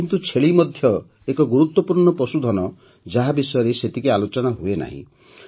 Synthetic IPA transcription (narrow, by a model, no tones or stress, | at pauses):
int̪ut͡ʃʰeɭimɔd̪ʱjɔ | ekɔɡuɾut̪wɔpuɾɳɔpɾɔsud̪ʱɔnɔ | d͡ʒaɦabisɔjɔɾeset̪ikealot͡ʃɔnaɦuena̰ɦḭ̃